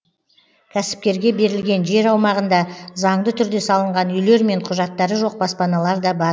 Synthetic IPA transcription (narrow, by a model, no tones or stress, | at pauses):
kʲʰæsɪ̥p̚kʲe̞ɾɡʲe̞be̞ɾɪlɡʲe̞nʒe̞ɾɑwmɑʁənd̪ɑzɑɴd̪ət̪ʰʏɾd̪e̞sɑlˠəɴʁɑnʏjle̞ɾme̞ɴqʰʊʒɑt̪ːɑɾəʒo̞q̚bɑspɑnɑlˠɑɾd̪ɑbɑɾ